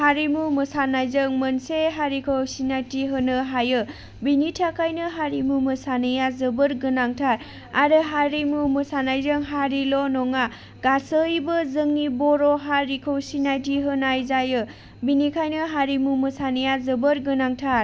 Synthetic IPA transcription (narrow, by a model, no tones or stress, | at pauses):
haɾimumɯsanajzɯŋmənseɦaɾikʰɯwsinajtiɦɯnɯɦajɯ | binitʰakʰajnɯɦaɾimumɯsanɯjazɯbɯɾɡɯnaŋtʰaɾ | a̰ɾɯɦaɾimumɯsanajzɯŋɦaɾilɔnɔŋa | ɡasɯjbɯzɯŋnibɔɾɔɦaɾikʰɯwsinajtiɦɯnajzajɯ | binikʰajnɯɦaɾimumɯsanɯjazɯbəɾɡɯnaŋtʰaɾ